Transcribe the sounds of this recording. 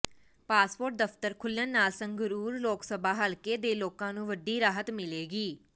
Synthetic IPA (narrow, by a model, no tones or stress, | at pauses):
paːspoːɾʈ̚d̪əft̪əɾkʰʊlənːaːlsə̃ŋɡɾuːɾloːksəbaːɦəlkeːd̪eːloːkãːnũːʋəɖiːɾaːɦət̪mɪleːɡiː